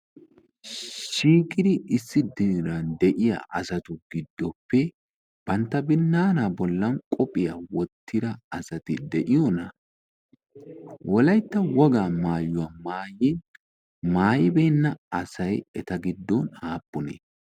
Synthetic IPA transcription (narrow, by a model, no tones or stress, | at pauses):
ʃiːkʼːɪd̪ɪɪsːɪd̪ɪɾɐnd̪ɛʔɪja̰ʔɐsɐt̪ʊɡɪd̪ːɔpːɛ | b̥ɐnt̪ːɐbɪnːaːnabɔlːɐnkʼɔpʼɪjawɔt̪ʰːɪd̪ɐɐsɐt̪ɪd̪ɛʔɪjɔnɐ | wʔɔlɐjt̪ːɐwɔɡaːmaːjːʊwamaːjɪn | maːjɪbɛjnːɐɐsɐjɛt̪ɐɡɪd̪ːɔnhaːpʼːʊnḛː